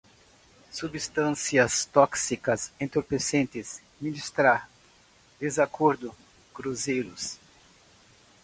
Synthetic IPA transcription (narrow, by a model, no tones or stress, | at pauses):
subist̪ɐ̃siɐst̪ɔksikɐsẽnt̪oɾpesẽnt̪ɪs | minist̪ɾaɾ | d̪ezakoɾd̪ʊ | kɾuzejɾʊs